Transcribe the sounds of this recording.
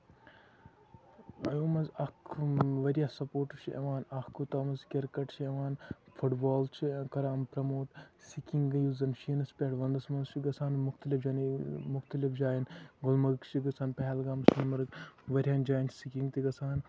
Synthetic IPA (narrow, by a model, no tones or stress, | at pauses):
ɐjoːmɐzɐkʰʋɐɾʲjasɐpoːɾʈɐɾt͡ʃʰiʔɐ̰ʋaːnɐkut̪ɐːmɐzkʲɐɾkɐʈt͡ʃʰiɐʋaːnfʰuʈbaːlt͡ʃʰikɐɾaːmpɾɐmoːʈsikʲiŋɡɡjuzɐnʃinɐspʲeʈʋɐnd̪ɐsmɐnzt͡ʃiɡɐsʰaːnmʊxt̪ɐlifd͡ʒanmʊxt̪ɐlifd͡ʒaːjinɡʊlmɐkt͡ʃʰiɡɐsʰaːnpɐɦɛlɡaːmsunmɐɾkʋɐɾʲjaːnd͡ʒaːjnt͡ʃʰsikʲiŋɡt̪iɡɐt͡sʰaːn